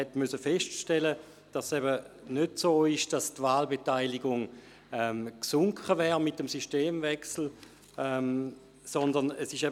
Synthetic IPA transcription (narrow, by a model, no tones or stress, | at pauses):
ɛtmysəfɛʃtʃtɛlə | d̥asɛbə | nødsoːɪʃd̥astvaːlbetaɪlɪɡʊŋ | ɛmksʊŋkʰχəvɛːʁmɪtəmsyʃteːmvɛksl̩ | ɛm | sɔndəʁnəsɪʃɛ